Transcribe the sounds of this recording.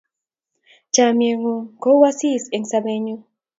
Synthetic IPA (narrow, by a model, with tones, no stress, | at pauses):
t͡ʃa˨mje˨ŋo˨ko˦wa˦si˦˨se˨ŋsa˧be˦ɲu˦